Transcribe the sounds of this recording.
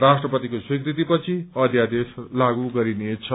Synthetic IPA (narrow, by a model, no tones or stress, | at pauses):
rasʈrʌpʌt̪ikoswikrit̪ipʌt͡sʰiʌd̪ʱjad̪eslaɡuɡʌɾinet͡sʰʌ